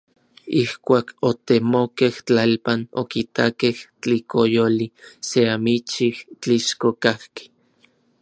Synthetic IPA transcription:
ihkʷaːkot̪emokeht͡ɬalpano̰kit̪akeht͡ɬikojoliseamit͡ʃiht͡ɬiʃkokahke̥

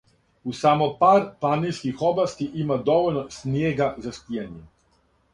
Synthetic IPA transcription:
usamopaːɾplaniskixoblast̪iʔimad̪oʋolnosnjeːɡazaspijaɲɛ

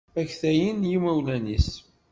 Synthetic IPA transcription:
æçθæjənjimæwlænis

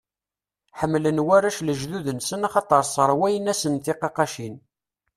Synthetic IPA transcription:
ħəmːlənwæɾæʃləʒðuðənsənɑχɑt̪ˤəɾˤsˤəɾˤwæjənæsənθiqɑqɑʃin

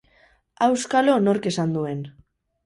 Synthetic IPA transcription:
awskalo̞no̞ɾke̞sand̪ue̞n

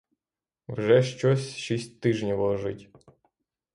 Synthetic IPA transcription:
wʒɛʃt͡ʃɔsʲʃisʲt̚ʲt̪ɪʒnʲiwˠɔʒɪtʲ

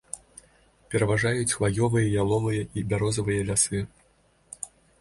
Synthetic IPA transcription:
pʲɛɾɐvaʐajut͡sʲxvajɔvɨjɐjalˠɔvɨjɐibʲaɾɔzɐvɨjɐlʲasɨ

